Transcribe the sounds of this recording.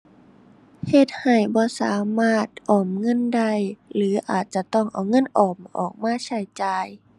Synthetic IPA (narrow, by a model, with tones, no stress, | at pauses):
he˧˩t̪̚ha˨˩jbɔː˧˦saː˨˦maː˧˩t̪̚ʔɔː˨˩mŋɤ˧˥˨nda˧˥˩jlɯː˨˦ʔaː˨˩t̪̚t͡ɕa˧˦t̪ɔ˧˥˩ŋʔa˨˩wŋɤ˧˥˨nʔɔː˨˩mʔɔ̰ː˨˩k̚maː˧˥˨t͡ɕʰa˧˩jt͡ɕaː˧j